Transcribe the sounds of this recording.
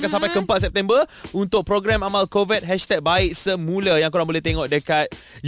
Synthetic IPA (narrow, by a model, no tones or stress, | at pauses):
kansampajkəmpat̪̚s̬ɛp̚t̪ɛmbəunt̪ʊk̚pɾoɡɾɛmamalkovit̪̚ɦɛʃt̪ɛk̚baiʔ̚səmũlajãŋkuɾaŋbolɛht̪eŋɔ̃ʔdəkat̪̚d͡ʒ